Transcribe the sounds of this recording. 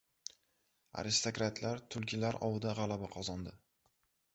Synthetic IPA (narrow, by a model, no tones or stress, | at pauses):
a̰ɾɪst̪okɾat̪ʰlaɾt̪ʰʊlˠkʲʰɪlaɾɒwɪd̪aʁalˠabaqʰɒzɒnd̪ɪ